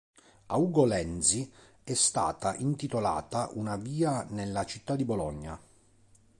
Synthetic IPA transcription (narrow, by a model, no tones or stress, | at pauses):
auːɡolɛnsi | ɛst̪a̰ːt̪aʔint̪it̪ola̰ːt̪aʔunaviːanelːat͡ʃit̪ːad̪ibolɔɲːa̰